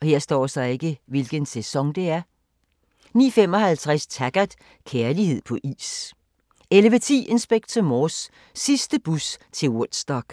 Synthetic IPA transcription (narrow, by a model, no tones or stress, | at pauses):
ɒ̽he̝ɐ̰sd̥ɒ̰ːsɑɪe̝ɡ̥əʋelɡ̥ənsesɒ̽ŋd̥e̝æɐ | nḭːfem̰ɒ̽hælt͡sʰʁast͡sʰæɡ̥æd̥ˠ | kʰeɐlihe̝ð̞̰ˠpʰɒ̽ʔḭːs | elʋət͡sʰḭːʔe̝nsb̥eɡ̥̚t͡sʰəmɒːsː | isd̥əb̥ust͡sʰe̝lod̥sd̥ɒɡ̥